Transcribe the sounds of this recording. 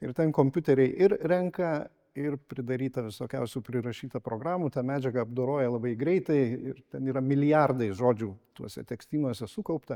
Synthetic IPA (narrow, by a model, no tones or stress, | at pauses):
ɪrt̪ʲɛnkoːmʲpʲʊt̪ʲɛɾʲɛɪʔɪɾɾʲɛŋkɐ | ɪrpʲɾʲɪd̪ɐɾʲiːt̪ɐʋʲɪsoːkʲɛ̰ʊsʲupʲɾʲɪɾɐʃʲiːt̪ɐpɾoːɡɾɑːmut̪ɑːmʲæːd͡ʒʲɛɡɐɐbd̪oːɾoːjɛlˠɐbɐɪɡɾʲɛɪt̪ɐɪɪrt̪ʲɛniːɾɐmʲɪlʲɪjærd̪ɐɪʒoːd͡ʒʲuːt̪uɔsʲɛ̰t̪ʲɛksʲt̪ʲiːnuɔsʲɛsukɐʊpt̪ɐ